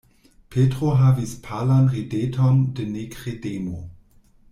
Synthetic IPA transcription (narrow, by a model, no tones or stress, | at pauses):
pʰetʁoɦavispʰalanʁidetʰondenekʁedemo̰